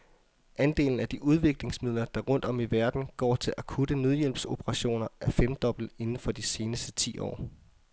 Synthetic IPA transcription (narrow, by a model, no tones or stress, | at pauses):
ʔænd̥e̝̰ːln̩æd̥iʔuð̞ˠʋe̝ɡ̥le̝ŋsmið̞̰ˠlɐd̥ɑ̈ʁɔ̽n̰d̥ɒ̽miʋæɐd̥n̩ɡ̥ɒ̰ːt͡sʰe̝lʔækʰud̥ənøð̞ˠjel̰b̥so̝b̥əʁɑ̈ɕo̝̰ːnɐæɐfem̰d̥ɒ̽b̥l̩e̝nn̩fɒ̽d̥ise̝ːnəsd̥ət͡sʰḭːɒ̰ː